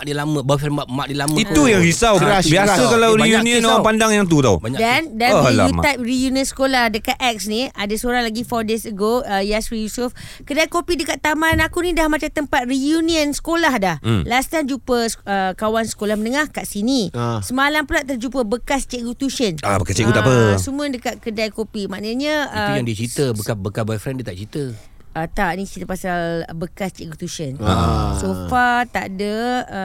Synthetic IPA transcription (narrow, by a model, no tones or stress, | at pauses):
dilamə̃bafambaʔmak̚diəlamə̃it̪ujaŋɾisawɾabiaakalawɾiunĩə̃noɾapandaŋjaŋt̪̬ut̪a̰wbaɲadandanla̰ḭt̪ajp̚rijuniənsə̥kolahdəkat̪̚ɛk̚sniadasoɾaŋlaɡifɔrdesəɡoəjasɾijusʊf | kədakopidəkat̪ːamãnakunĩdahmat͡ʃat̪əmpat̪̚rijuniənsə̥kolahdahlast̪and͡ʒupəsəkawansə̥kolahmənəŋahkaʔsinĩsəmalampulaʔt̪ərd͡ʒupəbəkast͡ʃɛʔɡut̪usənabəkast͡ʃɛʔkut̪aəsəmũədəkat̪̚kədajkopimaʔnəɲãʔəujaŋdiət͡ʃɾit̪əbəkabəkabajfɾɛndiət̪aʔt͡ʃit̪ə | ət̪aʔnĩt͡ʃit̪əpasalbəkast͡ʃɛʔɡut̪usənasofat̪aʔdə